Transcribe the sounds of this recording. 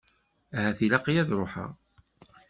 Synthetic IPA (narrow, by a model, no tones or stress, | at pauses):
æɦæθilɑqijæðɾoħa̰